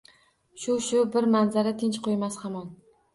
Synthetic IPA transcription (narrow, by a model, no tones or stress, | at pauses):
ʃʊʃʊbɪɾmanzaɾat̪ʰɪnt͡ʃqʰojmashamɒn